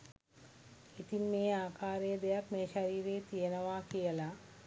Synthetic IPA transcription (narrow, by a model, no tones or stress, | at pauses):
it̪inmeːaːkʰaːɾejəd̪ejakmeːʃaɾiːɾeːt̪ijənəʋakijəla